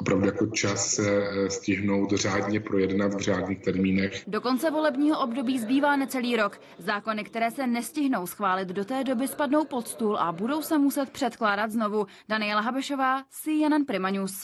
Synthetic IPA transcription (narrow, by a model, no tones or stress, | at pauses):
opɾavdujako̞t͡ʃasːɛscɪɦno̞wt̪r̝aːdɲɛpɾo̞jɛdnat̪vr̝aːdɲiːxt̪ɛɾmiːnɛxdo̞ko̞nt͡sɛvo̞lɛbɲiːɦoʔobdo̞biːzbiːvaːnɛt͡sɛliːɾo̞k | zaːko̞nɪkt̪ɛɾɛːsɛnɛscɪɦno̞wsxvaːlɪt̪do̞t̪ɛːdo̞bɪspadno̞wpo̞t̪st̪ulʔabudo̞wsɛmusɛt̪̚pr̝̥ɛt̪klaːdat̪zno̞vu | d̥anɪjɛlaɦabɛʃo̞vaːsɪjanɛnpɾɪmaɲus